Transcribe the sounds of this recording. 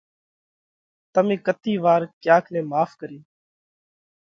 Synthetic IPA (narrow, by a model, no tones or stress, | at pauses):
t̪əmẽːkət̪iːʋaːɾkjaːkʰneːmaːfkəɾiː